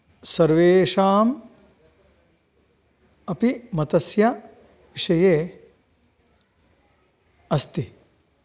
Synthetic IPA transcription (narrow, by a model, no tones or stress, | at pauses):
sɐɾʋeːʂaːm | ɐpimɐt̪ɐsjɐ | ʋiʂɐjeː | ɐst̪i